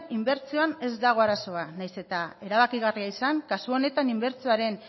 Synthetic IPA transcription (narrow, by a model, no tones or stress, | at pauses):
imbe̞ɾt͡sioane̞zd̪aɣ̞o̞aɾaso̞anajse̞t̪ae̞ɾaβ̞akiɣ̞ariaisaŋkasuo̞ne̞t̪animbe̞ɾt͡sioaɾe̞n